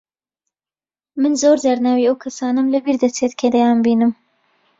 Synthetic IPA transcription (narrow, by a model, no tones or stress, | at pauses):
mənzoɾzaɾnawiowkʰasɑnamlabiɾd̪at͡set̪ked̪ajɑmbinəm